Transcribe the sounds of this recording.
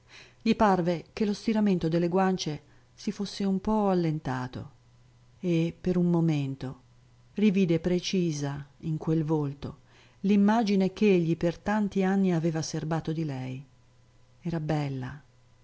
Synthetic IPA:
ʎiparvek̟elost̪iɾament̪od̪elːeɡwant͡ʃe | sifosːeumpɔalːent̪aːt̪o̰ | epːeɾunmːoment̪o | riviːd̪epɾet͡ʃiːzaiŋkwelvolt̪o̰ | limːaːd͡ʒinek̟eeʎːipert̪ant̪ianːiaveːvaserbaːt̪od̪ilɛj | ɛːɾabɛlːa̰

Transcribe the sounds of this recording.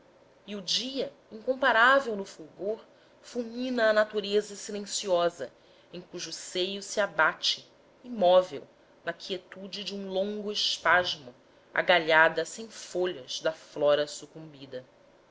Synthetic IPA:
iud͡ʒiɐ | ĩŋkõpaɾavewnʊfuɡoɾ | fumĩnɐːnat̪uɾezɐsilẽsiɔzɐ | ẽj̃kuʒʊːsejʊsiabat͡ʃɪ | imɔvḛw | nɐkʰiet̪ud͡ʒɪd͡ʒɪũlõŋɡʊɪʃpaʒmʊ | a̰ɡaʎad̪ɐsẽj̃foʎɐz̥d̪ɐflɔɾɐsukũmbid̪ɐ

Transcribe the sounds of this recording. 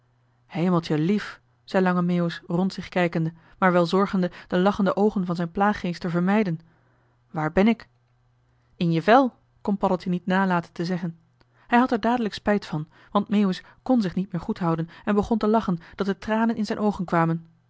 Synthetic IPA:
hejməlˠtəlif | z̥ɛjlɑŋəmewəsrɔntsɪχkɛjkəndə | maːɹʋɛlˠzɔɹχəndəd̥əlɑχəndəʔowχənvɑnzɛjnplaːχːejstəvəɹmɛjdən | ʋaːɹbɛnɪk | ɪnjəvɛlˠ | kɔnpɑɾəlˠtinitnaːlaːtəntəzɛχən | hɛjɦɑtɛɹdaːdələkspɛjtfɑn | ʋɑntmejəs | kɔnzɪχnit̚mɪːɹχutɦɑwdənɛnbəχɔntəlɑχənd̥ɑt̚dətraːnənʔɪnzɛjnʔowχənkʋaːmən

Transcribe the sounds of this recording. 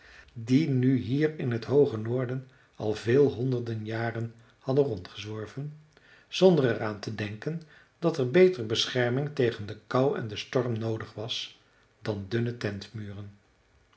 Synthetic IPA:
dinyɦiːrɪnɦətɦowχənoːɹdən | ɑ̰lˠvɪːlˠɦɔndəɹdənjaːrən | hɑdənrɔntχəzʋɔɹvən | z̥ɔndərɛraːntədɛŋkən | d̥ɑtɛɹbejtərbəsχɛɹmɪŋtejχəndəkɑwɛ̰ndəstɔɹmnowdəχʋɑs | d̥ɑndʏnətɛntmyːrən

